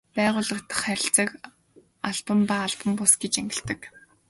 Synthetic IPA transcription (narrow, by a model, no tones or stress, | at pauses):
pæːʁʊːɮə̆k̚t̪ə̥̆χːæɾʲɪ̆ɬt͡sə̆k | aɮpə̆mpaːɮpə̆mpʊsɡet͡ɕæŋɡʲɪ̆ɬt̪ə̆k